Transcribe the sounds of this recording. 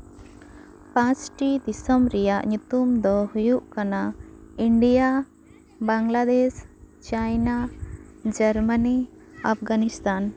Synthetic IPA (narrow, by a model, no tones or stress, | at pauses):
pãsʈid̪isɔmɾijaʔɲut̪umd̪ɔhujuʔkanaiɳɖija | baŋɡlad̪es | t͡ʃajna | d͡ʒəɾməni | apʰɡanist̪an